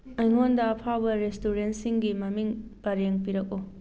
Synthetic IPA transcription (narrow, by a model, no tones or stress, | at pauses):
ɐjŋondɐːpʰawbɐɾestuɾensiŋɡimɐmiŋpɐɾeŋpiɾɐk̚o